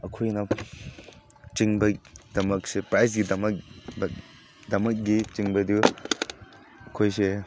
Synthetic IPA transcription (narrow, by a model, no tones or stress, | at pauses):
ɐkʰojna | t͡ʃiŋbajdɐmɐk̚sepɾajs̬ɡidɐmɐkb | dɐmɐk̚ɡit͡ʃiŋbajdu | ɐkʰojse